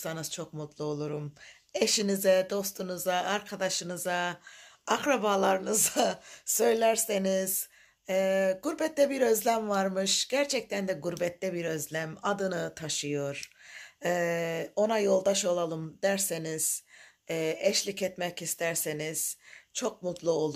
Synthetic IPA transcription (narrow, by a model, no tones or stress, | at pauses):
sanɯz̥t͡ʃʰo̞kmut̪lˠuo̞lˠuɾum | eʃinizɛd̪o̞st̪ʰunuzaːɾkʰad̪aʃɯnɯza | akɾabalˠaɾɯnɯzasø̞jlʲæɾseniz̥ | ɛɡuɾbɛt̪ːɛbiɾø̞zlʲæmvaɾmɯʃɟ̥æɾt͡ʃʰɛc̚t̪ʰænd̪ɛɡuɾbɛt̪lːɛbiɾø̞zlʲæmad̪ɯnɯt̪ʰaʃɯjo̞ɾ̥ | ɛːo̞najo̞lˠd̪aʃo̞lˠalˠɯmd̪æɾseniz̥ | ɛːɛʃlʲicɛt̪mɛcist̪ʰæɾseniz̥t͡ʃʰo̞k̚mut̪lˠuo̞lˠ